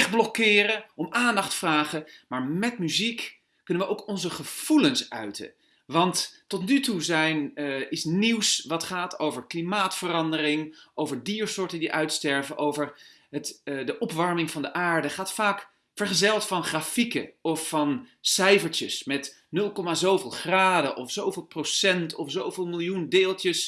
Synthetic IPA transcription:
ɛχ̚blɔkɪːrəɔmaːndɑχtfraːχəmaːɹmɛtmyzik | kɵnəʋəʔowkɔnzəχəv̥ulənsœɥtə̰ | ʋɑntːɔtnytuzɛjnɪsniwsʋɑtχaːtowvəɹklimaːtfərɑndərɪŋʔowvəɹdiːɹsʊːɹtədiʔœɥtstɛɹvəʔowvəɹ | ɦətdəʔɔpʋɑɹmɪŋvɑndəʔaːɹdəχaːtfaːk | fəɹχəzɛlˠtfɑnχraːfikə̰ɔfːɑnsɛjvəɹt͡ʃəsmɛt | nɵlˠkɔmaːzowvɪːlˠχraːdəʔɔfsowvɪːlˠprosɛntʰɔfsowvɪːlˠmɪlˠjundɪːlˠtəs

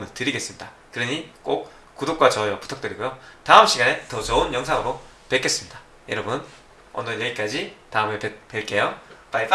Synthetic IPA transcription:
mɯntɯɾiɡe̞s͈ɯmɲida | kɯɾʌɲik͈ok̚ | k͈ːudok̚k͈wat͡ɕʌewapu̥tʰak̚t͈ɯɾiɡojotaɯmɕ͈ʰiɡanetʌt͡ɕʌunjʌŋsʰaŋɯɾo | pek͈ʰe̞s͈ɯmɲida | jʌɾʌbun | ʌ̰nʌnjeɡik͈ad͡ʑitaɯme̞pepeɭk͈e̞jopa

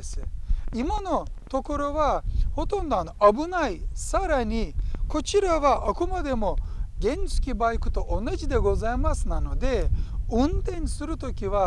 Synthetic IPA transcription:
sɨimano̞t̪o̞ko̞ɾo̞βaho̞t̪õ̞nd̪oano̞ʔabɯ̟naisaɾaɲ̟ʲiko̞t͡ɕiɾaβaʔakomad̪e̞mo̞ɡẽ̞ɲsɨ̥kʲibaikɯ̟t̪o̞ʔonːaʑid̪e̞ɡo̞zaemasɨnano̞d̪e̞ɯ̃nt̪ẽ̞nsɨɾɯ̟t̪o̞kʲiβa

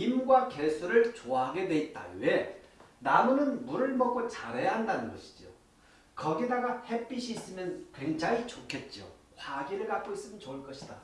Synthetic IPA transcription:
imɡwake̞sʰuɾɯɭt͡ɕoaɦaɡe̞nwe̞it̚t͈a̰e̞namunɯnmuɾɯɭmʌk͈ot͡ɕaɾejaɦandanɯnɡʌ̰ɕʰi̥d͡ʑio | kʌɡidaɡahe̞p͈iɕʰiːs͈ɯmjʌnkwe̞ŋd͡ʑaŋit͡ɕokʰe̞t̚t͡ɕ͈o̰ | kwaɡiɾɯɭkap̚k͈ois͈ɯmjʌnt͡ɕoɯɭk͈ʌɕʰi̥da

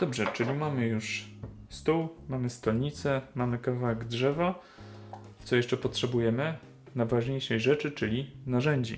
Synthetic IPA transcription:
d̪̥ɔbʐɛt͡ʂɘlʲimamɘjuʂst̪uwmamɘst̪ɔlɲit̪sɛmamɘkavaɛɡdʐɛva | t̪sɔjɛʂt͡ʂɛpɔtʂɛbujɛmɘ | navaʐɲejʂɛjʐɛt͡ʂɘt͡ʂɘlʲinaʐɛɲd͡ʑḭ

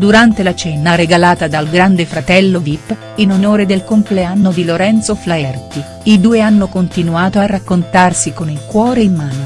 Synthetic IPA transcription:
d̪uɾant̪elat͡ʃɛnareɡalaːt̪ad̪alɡɾand̪efɾat̪ɛlːodipː | inonoːɾed̪elkompleanːod̪iloɾɛnt̪soflaɛrt̪i | id̪uːeanːokont̪inuaːt̪oarːakːont̪arsikonilkwɔːɾeimːaːno

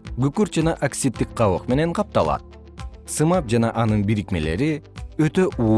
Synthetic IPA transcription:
ɡykyɾd͡ʒɑnɑʔaksʲit̪ːik̚qɑwoqme̞ne̞ɴqʰɑp̚t̪ɑlˠɑ̰t̪̚ | sɯmɑp̚d͡ʒanɑʔɑnɯnbiɾikme̞le̞̰ɾiøt̪ø̞ʔu

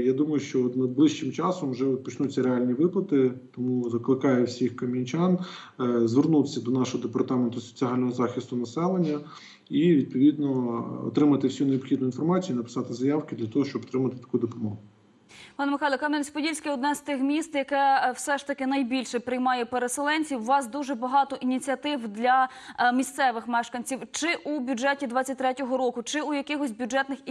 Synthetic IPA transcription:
jad̪umɐjʊʃt͡ʃɔɔt̪nɐd̪̚blˠɪʃt͡ʃɪmt͡ʃɑsɔmwʒɛpɔt͡ʃnut͡sʲːɐɾeɑlʲnʲiʋɪplˠɐt̪ɪt̪ɔmuzɐklˠɪkɑjɛwsʲixkɐmʲinʲt͡ʃɑnzʋernut̪esʲːɐd̪ɔnɑʃɔɦɔd̪epɐrt̪ɑment̪ʊsɔ̥t͡sʲiɦɑlʲnɔɦɔzɑxʲist̪ʊnɐsɛlˠenʲːɐ | iʋʲid̪̚pɔʋʲid̪nɔɔ̰t̪ɾɪmɐt̪ɪwsʲuneɔbxʲid̪nʊinfɔrmɑt͡sʲijːnɐpɪ̥sɑt̪ɪzɐjɑwkɪd̪lʲɐt̪ɔɦɔʃt͡ʃɔpɔt̪ɾɪmɐt̪ɪ̥t̪ɐ̥kujd̪ɔpɔmɔɦʊ | pɑnɐmɪxajlˠɔkɑmnɛnʲsʲpɔdʲilʲsʲkɪɔd̪nɛz̥t̪ɪxmʲist̪jɐkɛwsɛʃt̪ɐkɪnɐjbʲilʲʃɛpɾɪjmɑjɛpeɾeselˠɛnʲt͡sʲiwːɑsd̪uʒɛbɐɦɑt̪ɔʔinʲit͡sʲiɐt̪ɪwd̪lʲɐ | mʲist̪sɛʋɪxmɛʃkɐnʲt͡sʲiwt͡ʃɪʔubʲʊd͡ʒɛtʲid̪ʋɑt͡sʲːɐt̚ʲt̪ɾɛtʲɔɦɔɾɔkʊt͡ʃɪujɐkɪɦɔsʲbʲjʊd͡ʒɛt̪nɪx

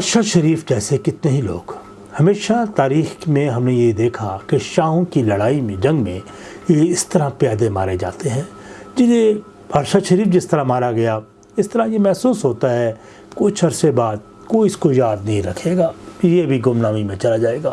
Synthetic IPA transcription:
bɐɾʃaʃɐɾiːfd͡ʒɛːsekɪt̪neɦilo̰ːɡ | hɐmeːʃat̪aːɾiːxmẽɦɐmnejed̪eːkʰakeʃaːɦõkilɐɽaːimẽd͡ʒɐ̃ŋɡmẽ | jeɪst̪ɐɾapjaːd̪ema̰ːɾed͡ʒa̰ːt̪eɦɛ̃ːd͡ʒɪse | bʱɐɾʃaʃɐɾiːfd͡ʒɪst̪ɐɾamaːɾaɡɐja | ɪst̪əɾajemɛɦsuːsɦoːt̪aɦɛ | kʊt͡ʃʰɐɾsebaːd̪̚ | koːiɪskojaːd̪nɐɦĩɾɐkʰeːɡaːjebʱiɡʊmnaːmimẽt͡ʃɐlad͡ʒaːeːɡaː

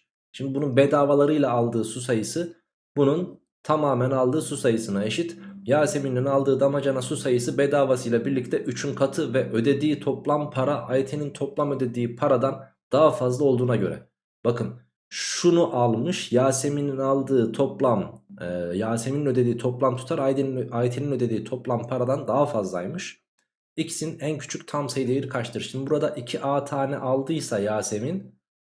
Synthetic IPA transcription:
ʃimd̪ibununbɛd̪aːvalˠaɾɯjlˠaːlˠd̪ɯːsus̬ajɯsɯ | bunun | t̪ʰamaːmænalˠd̪ɯːsusajɯsɯnae̞ʃit̪jaːse̞mininalˠd̪ɯːd̪amad͡ʒanasusajɯsɯbɛd̪aːvasɯjlˠabiɾlʲic̚t̪ʰɛʔyt͡ʃʰynkʰat̪ʰɯvɛʔød̪e̞d̪iːt̪ʰo̞plˠampʰaɾaʔajet̪ʰenint̪ʰo̞plˠamø̞d̪ed̪iːpʰaɾad̪an | d̪̥aɦafazlˠao̞lˠd̪uːnaɟø̞ɾɛ̰ | b̥akʰɯn | ʃʃunuʔalˠmɯʃjaːse̞mininalˠd̪ɯːt̪ʰoplˠam | jaːse̞mininød̪ed̪iːt̪ʰo̞plˠamt̪ʰu̥t̪ʰaɾaajet̪ʰeninød̪e̞d̪iːt̪ʰo̞plˠampʰaɾad̪and̪aɦafazlˠajmɯʃ | icʰi̥sinæncʰy̥t͡ʃʰycʲt̪ʰamsajid̪ejiɾikʰaʃt̪ʰɯɾsɯnbuɾad̪aʔicʰiʔaːt̪ʰaːnɛʔalˠd̪ɯjsajaːse̞min

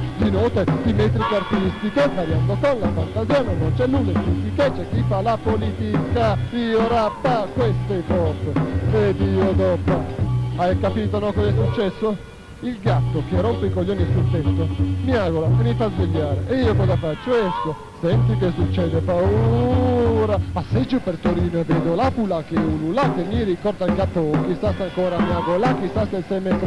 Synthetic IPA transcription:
d̪inɔːt̪eut̪imet̪̬ɾikart̪ist̪ikepːaɾjand̪okonlafant̪azjaːnonːont͡ʃɛnːullest̪ist̪iket͡ʃːɛk̟ːifalapolit̪ikaioɾapːakːwest̪efɔɾt̪ed̪iːod̪ɔpoajkapiːt̪onɔkɔzɛsːut͡ʃːɛsːo | ilɡat̪ːok̟erompeikolːoːnisult̪ɛt̪ːomiaɡolamemifazveʎːaːɾeʔeiːokɔzafat͡ʃːoɛsko | sɛnt̪ik̬esːut͡ʃːɛːd̪epau | ɾapasːed͡ʒːopeɾt̪oɾiːnovɛːd̪olapulakeululakːemːiɾikɔrd̪akapːokisast̪aŋkɔːɾamjaɡolak̟ːisast̪elsɛjmɛt̪ɾ

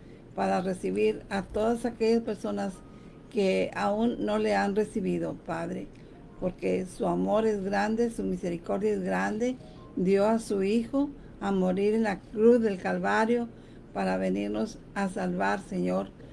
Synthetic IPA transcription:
paɾaresiβiɾat̪oðasakeʝaspeɾso̞nas | keaunːoleanresiβiðo̞paðɾe | poɾkesuamo̞ɾe̞zɣɾand̪esumiseɾiko̞ɾðjaezɣɾand̪e̞ | d̪joasuixo | amoɾiɾenlakɾuθðe̞lkalβaɾjo | paɾaβeniɾnos | asalβaɾseɲoɾ

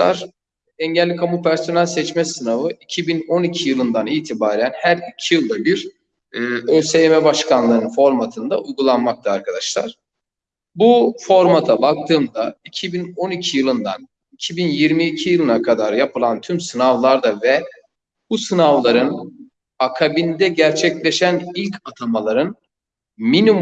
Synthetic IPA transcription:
a̰ɾ | ɛɲɟɛlʲːikʰamupʰæɾso̞nælʲsɛt͡ʃmɛsɯnavɯicʰibino̞nicʰijɯlˠɯnd̪aniːt̪ʰibaːɾænhæɾicʰijɯlˠd̪abiɾː | øsejemɛbaʃkʰanlˠɯɾɯnfo̞ɾmat̪ʰɯnd̪aʔujɡulˠanmak̚t̪ʰɯaɾkʰad̪aʃlˠa̰ɾ̥ | bufo̞ɾmat̪ʰabak̚t̪ʰɯːmd̪aicʰibino̞nicʰijɯlˠɯnd̪a̰n | icʰibinjiɾmiːcʰijɯlˠɯnakʰad̪aɾjapʰɯlˠant̪ʰymsɯnavlˠaɾd̪avɛ | b̥usɯnavlˠaɾɯn | akʰabind̪ɛɟæɾt͡ʃʰɛclʲeʃænilʲcʰat̪ʰamalˠaɾɯn | minim

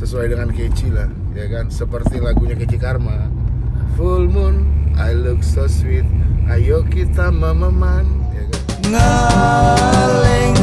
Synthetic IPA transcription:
səsuajdəŋankət͡ʃilah | jakansəpərt̪ilaɡuɲakət͡ʃikarma | fulmʊnʔajluk̚soswit̪̚ʔajokit̪aməməmanjakanŋə | lɪ

